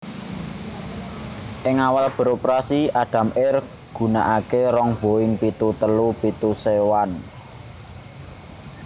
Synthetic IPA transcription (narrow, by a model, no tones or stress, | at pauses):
ʔɪŋawalb̥ə̤ɾopɾasiaɖ̪̥ä̤mɪr | ɡ̥ṳna̰ʔakeɾɔŋb̥o̤ɪŋpit̪ut̪əlupit̪usewan